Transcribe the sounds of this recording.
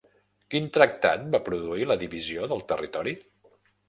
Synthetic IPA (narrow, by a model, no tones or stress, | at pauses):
kint̪ɾək̚t̪a̰t̪̚bapɾuðuiləðiβizioðəlˠt̪ərit̪ɔɾi